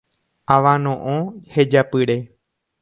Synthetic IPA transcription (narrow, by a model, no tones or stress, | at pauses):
aʋãnõʔõhed͡ʒapɨɾe̞